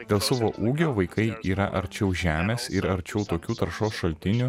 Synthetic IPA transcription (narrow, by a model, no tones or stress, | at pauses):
d̪ʲeːlˠsɐʋoːʔuːɡʲoːʋɐɪkɐɪiːɾɐʔɐɾʲt͡ʃʲɛʊʒʲæːmʲeːsɪɾɐɾʲt͡ʃʲɛʊt̪oːkʲuːt̪ɐɾʃoːsʃɐlʲt̪ʲɪnʲu